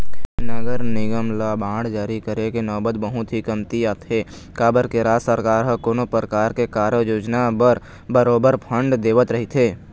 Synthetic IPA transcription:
nəɡəɾnɪɡəmlabʱãːɳd͡ʒaːɾikəɾekenɔːbət̪bəɦʊt̪ɦikəmt̪iaːt̪e | kaːbəɾkeɾaːsəɾkaːɾɦəkoːnopɾəkaːɾkekaːɾəjoːd͡ʒnabəɾ | bəɾoːbəɾpʰə̃ɳɖd̪eːʋət̪ɾəɦit̪ʰɦeː

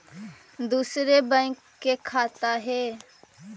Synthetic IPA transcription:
d̪uːsɾebə̃ɪkːekʰaːt̪aɦeː

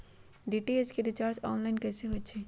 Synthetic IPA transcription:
ɖiːʈieskeɾɪt͡ʃaːɾt͡ʃɔːnlaɪnkɛːseɦoːt͡ʃʰeː

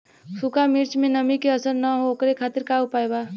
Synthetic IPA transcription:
sukamiɾt͡ʃmẽnəmikeəsəɾnəɦookɾekʰat̪iɾkaupajba

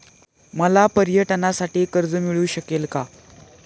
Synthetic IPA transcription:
məlapəɾjəʈnasaʈiːkəɾd͡zəmiɭuːɕəkelka

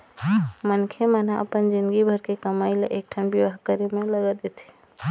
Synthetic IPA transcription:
mənkʰemənaʔə̰pənd͡ʒind̪ɡibʱəɾkekəmajlḛʔek̚ʈʰanbjəʋaɦkəɾemeləɡəd̪et̪ʰi̥

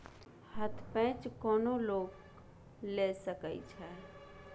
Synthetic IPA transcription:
hət̪ʰpɛ̃ːt͡ʃkɔːnoloːɡ | lesəkəḭt͡ʃʰɛ

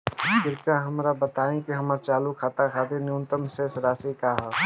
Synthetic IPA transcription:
bɪɾkãɦɐmɾabɐt̪aːẽkiɦɐməɾt͡ʃaːlukʰaːt̪akʰaːd̪enjuːnt̪əmsesɾaːsikaɦ

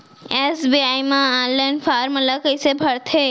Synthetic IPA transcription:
esbiajmããnlanpʰaɾmələkəjsebʱəɾt̪ʰe

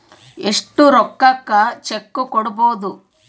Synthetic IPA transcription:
eʂʈːuɾɔkːakːɐt͡ʃekːukoɽuboːd̪u

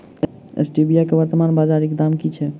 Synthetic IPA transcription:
ḛsʈibijakeʋəɾt̪əmanbad͡ʒaɾekd̪amkit͡ʃʰɛ

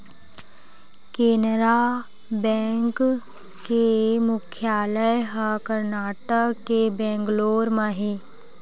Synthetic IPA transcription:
keːnɾa | bɛ̃ːŋk | kemʊkʰjaːləjɦakəɾnaːʈəkkːebɛ̃ːŋɡloːɾmaɦi

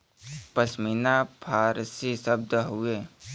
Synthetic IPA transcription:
pəsmiːnapʰaːɾsisəb̚d̪ɦueː

